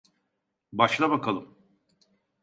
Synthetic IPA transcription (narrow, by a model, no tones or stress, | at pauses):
baʃlˠabakʰalˠɯm